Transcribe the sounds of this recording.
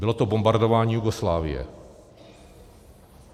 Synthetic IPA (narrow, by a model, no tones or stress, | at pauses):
bɪlot̪obombaɾdovaːɲiːjuɡoslaːvɪ̰jɛ̰